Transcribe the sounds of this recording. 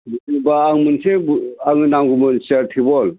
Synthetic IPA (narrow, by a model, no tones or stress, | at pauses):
bubaːŋmɯnsebaŋɯnamɡumɯnseɾtʰibɔl